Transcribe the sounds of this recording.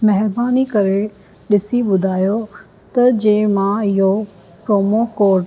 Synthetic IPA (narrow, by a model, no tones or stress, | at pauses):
mɛɦɪɾbaːnikɐɾe | ɗɪsiɓʊd̪ʱaːjo | t̪ɐd͡ʑẽːmãɪɦo | pɾoːmokoː